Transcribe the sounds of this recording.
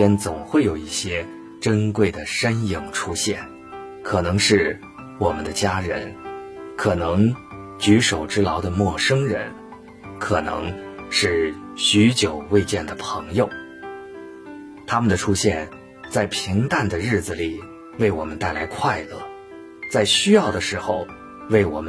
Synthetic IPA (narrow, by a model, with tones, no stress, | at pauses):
ɛ˥nt͡sʊ˨˩ŋxwe˥˩ɪjo˨˩ʊi˥˩ɕjɛ˥ | ʈ͡ʂə˥nkwe˥˩ɪd̪ə˩ʂə˥nji˨˩ŋʈ͡ʂʰu˥ɕjɛ˥˩n | kʰɤ˨˩nɤ˧˥ŋʂɻ̩˥˩ | wɔ˨˩mə˦nd̪ə˧t͡ɕja˥ɻə̰˧˥nkʰɤ˨˩nɤ˧˥ŋ | t͡ɕy˧˥ʂo˨˩ʊʈ͡ʂɻ̩˥lɑ˧˥ʊd̪ə˧mwɔ˥˩ʂɤ˥ŋɻə̰˧˥n | kʰɤ˨˩nɤ̰˧˥ŋʂɻ̩˥˩ | ɕy˧˥t͡ɕjo˨˩ʊwe˥˧ɪt͡ɕjɛ˥˩nd̪ə˩pʰɤ˧˥ŋjo˧ʊ | t̪ʰa˥mə˨nd̪ə˩ʈ͡ʂʰu˥ɕjɛ˥˧n | t͡sa˥˩ɪpʰi˧˥ŋt̪a˥˩nd̪ə˩ɻɻ̩˥˩d͡zɹ̩˩li˨˩ | we˥˩ɪwɔ˨˩mə˦nt̪a˥˩ɪla˧˥ɪkʰwa˥˧ɪlɤ̰˥˩ | t͡sa˥˩ɪɕy˥jɑ˥˩ʊd̪ə˩ʂɻ̩˧˥xo˧ʊ | we˥˩ɪwɔ̰˨˩mə˦